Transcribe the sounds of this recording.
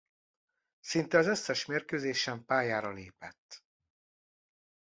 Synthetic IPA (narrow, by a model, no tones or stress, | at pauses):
sint̪ɛɒzøsːɛʃmeːrkøːzeːʃɛmpaːjaːɾɒleːpɛt̪ː